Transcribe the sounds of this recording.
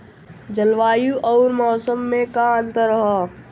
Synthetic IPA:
d͡ʒəlʋaːjuʔɔːɾmɔːsəmːẽkãnt̪əɾəɦa

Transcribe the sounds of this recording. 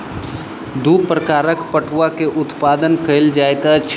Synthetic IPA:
d̪upɾəkaːɾəkpəʈʰʋakeʔʊt̪paːd̪ənkəɪld͡ʒaːet̪at͡ʃʰ

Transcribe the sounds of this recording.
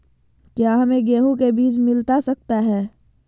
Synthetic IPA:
kjaːɦɐmẽɡeːɦũkebiːt͡ʃmɪlt̪asɐk̚t̪aɦɛː

